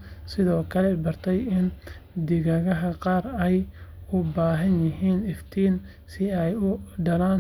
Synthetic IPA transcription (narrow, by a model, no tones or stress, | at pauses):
sɪðɔːkʰɐlɛbɐrt̪ʰɛjɪn | d̪ɪɣɐɣɐɦɐqɑːrɛjʊbaːɦɐnjɪɦiːnɪft̪ʰiːn | sɪɛjʊɖɐlaːn